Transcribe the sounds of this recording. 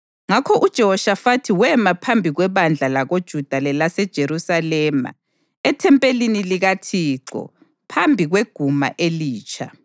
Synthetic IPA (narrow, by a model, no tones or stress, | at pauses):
ŋakʰɔʔud̥ʒ̥ʱɔɔʃafatʰiwɛmapʰambʱiɣwɛβand͡ɮʱalaɣod̥ʒ̥ʱud̥ʱalɛlasɛd̥ʒ̥ʱeɾusalɛːma̰ | ɛtʰɛmpʼeliniliɣatʰiːǁɔ̰ | pʰambʱiɣweɡ̥ʱuma̰ʔeliːt͡ʃʼʰa̰